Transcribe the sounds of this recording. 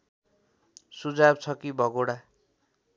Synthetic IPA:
sud͡zabt͡sʰʌkibʱʌɡoɽa

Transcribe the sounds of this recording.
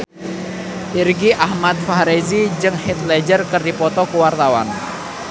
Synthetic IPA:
ʔirɡiʔahmat̪̚fahɾezid͡ʒɨŋhit̪̚lɛd͡ʒərkərdipɔt̪ɔkuwart̪awa̰n

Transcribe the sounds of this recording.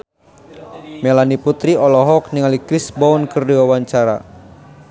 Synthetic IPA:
mɛlaniput̪ɾiɔlɔɦɔk̚niŋalikɾisbɔɔnkərdiwawaɲt͡ʃaɾa̰

